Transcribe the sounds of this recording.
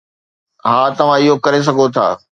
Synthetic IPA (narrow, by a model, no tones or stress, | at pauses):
ɦaːt̪ɐʋ̤ãɪɦokɐɾes̬ɐɡʱot̪ʰa̰ː